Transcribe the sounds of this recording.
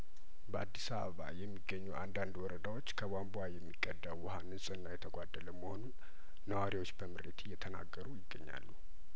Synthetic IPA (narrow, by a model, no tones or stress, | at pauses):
bəʔa̰d̪ːisaβəβa̰jɛmːiɡːəɲːuʔand̪and̪wɔɾəd̪awo̞t͡ʃːkʰəbambuajɛmːiɡʼːəd̪ːawwɔhanɨsʼɨnːajɛt̪ʰəɡʷad̪ːələməho̞nunː | əwaɾiwo̞t͡ʃːbəmɨɾet̪ɪjːɛt̪ʰəna̰ɡːəɾujɪɡːə̰ɲːa̰lːu